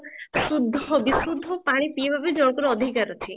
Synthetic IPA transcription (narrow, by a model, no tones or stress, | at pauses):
sud̪ʱːɔbisɾud̪ʱːɔpaɽ̃ipiebʱabed͡ʒɔɽ̃kɔɾɔd̪ʱikaɾɔt͡ʃʰi